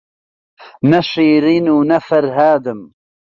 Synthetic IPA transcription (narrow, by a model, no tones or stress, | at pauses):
nɐʃiːɾinuːnɐfɐɾɦaːd̪ɨm